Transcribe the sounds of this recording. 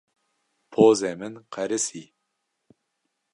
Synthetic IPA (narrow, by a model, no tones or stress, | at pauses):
pʰoːzemɨnqʰɐɾɨsiː